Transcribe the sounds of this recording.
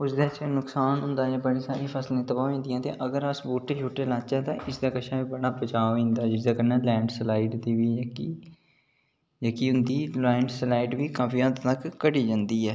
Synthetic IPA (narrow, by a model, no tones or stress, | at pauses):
ʊsd̪eːt͡ʃːnʊksaːnɦʊnd̪aːd͡ʒãːbəɽiːsaːɾiːpʰəsleːt̪əbaːĩːnd̪ɪjãːt̪ḛ̃ːʔəɡəɾəsboːʈːeːt͡ʃʰoːʈːeːlãːt͡ʃãːt̪ãːʔɪsd̪aːkəʃʰãːʋiːbəɽaːbət͡ʃaːĩːnd̪aːd͡ʒɪsd̪aːkənaːlɛ̃ːɳɖslaːiɖd̪iːʋiːki | d͡ʒəːkiːʊnd̪iːlɛːɳɖslaːiːɖʋiːkaːfʰiːəd̪t̪əkːəɽiːd͡ʒãːnd̪iːɛː